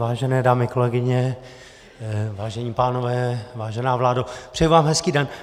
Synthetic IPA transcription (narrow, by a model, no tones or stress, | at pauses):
vaːʒɛnɛːdaːmɪkolɛɡɪɲɛ | vaːʒɛɲiːpaːnovɛːvaːʒɛnaːvlaːdopr̥ɛjivaːmɦɛskiːdɛn